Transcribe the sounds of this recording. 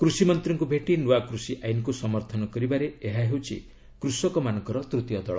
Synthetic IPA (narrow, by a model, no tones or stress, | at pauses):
kɾusimɔnt̪ɾɔŋkubʱeʈinuwakɾusiʔajnkusɔmɔɾt̪ʰɔnɔkɔɾibaɾeeɦaɦewt͡ʃʰḭ | kɾusɔkɔmanɔŋkɔɾɔt̪ɾut̪ijɔd̪ɔɭɔ̰